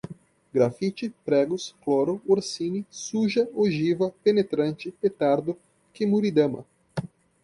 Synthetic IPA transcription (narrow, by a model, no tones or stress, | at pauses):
ɡɾafit͡ʃɪpɾɛɡʊskloɾʊoɾsinɪsuʒɐoʒivɐpenet̪ɾɐ̃nt͡ʃɪpet̪aɾd̪ʊ | kɪmuɾid̪ɐ̃mɐ̰